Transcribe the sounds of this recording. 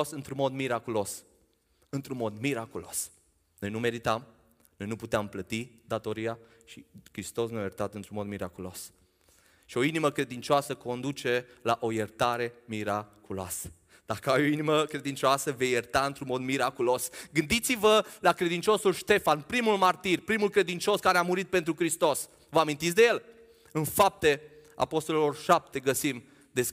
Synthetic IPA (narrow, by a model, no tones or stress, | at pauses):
sɨnt̪ɾunmo̞d̪miɾakulo̞s | ɨnt̪ɾunmo̞d̪miɾakulos | no̞jnume̞ɾit̪am | no̞jnuput̪eamplət̪id̪at̪o̞ɾia | ʃikɾist̪o̞sneajərt̪at̪ɨnt̪ɾunmo̞d̪miɾakulo̞s | ʃio̞iniməkɾe̞d̪int͡ʃoasəko̞nd̪ut͡ʃe̞laʔo̞jert̪aɾe̞miɾakuloa̰sə̥ | d̪̥akəajoiniməkɾe̞d̪int͡ʃoasəvejert̪aɨnt̪ɾunmo̞d̪miɾakulo̞sɡɨnd̪it̪sivəlakɾe̞d̪int͡ʃo̞sulʃt̪e̞fanpɾimulmart̪irʲpɾimulkɾe̞d̪int͡ʃo̞skaɾeamuɾit̪̚pe̞nt̪ɾukɾist̪o̞s | vəamint̪it̪sʲd̪e̞je̞l | ɨnfap̚t̪e̞ | a̰po̞st̪o̞lelo̞rʃap̚t̪e̞ɡəsim | d̪es